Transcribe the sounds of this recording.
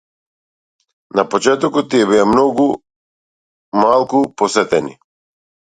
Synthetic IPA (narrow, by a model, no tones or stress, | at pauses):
napɔt͡ʃɛt̪ɔkɔt̪̚ːiɛbiamnɔɡu | malˠkupɔsɛt̪ɛnḭ